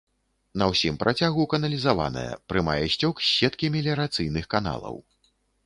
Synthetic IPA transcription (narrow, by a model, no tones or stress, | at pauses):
nɐwsʲimpɾʔat͡sʲaɣukɐnɐlʲizava̰nɐ̰jɐ̰pɾɨmajɛɕʲt͡sʲɔksʲːɛt̪kʲimʲilʲɛɾat̪sɨjnɨxkana̰lˠɐ̰w